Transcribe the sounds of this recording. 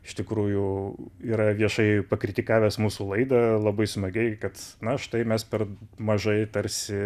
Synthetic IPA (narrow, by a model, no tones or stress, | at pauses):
ɪʃt̪ʲɪkɾuːjʊiːɾɐʋʲiɛʃɐɪpɐkɾʲɪt̪ʲɪkɑːʋʲæːsmuːsuːlˠɐɪd̪ɐlˠɐbɐɪsmɐɡʲɛɪkɐt̪nɐʃt̪ɐɪmʲɛspʲɛrmɐʒɐɪt̪ɐɾʲsʲɪ